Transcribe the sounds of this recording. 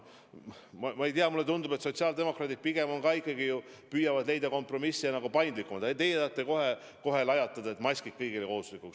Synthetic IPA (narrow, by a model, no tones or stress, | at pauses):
mɑmɑejt̪iɑmulːet̪und̪ubet̪so̞t̪siɑːld̪e̞mo̞krɑːd̪̥id̥̪̚piɡ̥e̞mo̞nkɑːikːˑɑɡiju | pyjɑvɑd̪le̞jd̪ɑko̞mpˑro̞misːiɑnɑɡupɑjnd̪likːˑumɑd̪et̪e̞jet̪ɑt̪ːˑeko̞ɦe | ko̞ɦe̞lɑjɑt̪ːˑɑd̪ɑe̞t̪mɑsʲkikkːɤjɡ̥ileko̞huslikːˑuks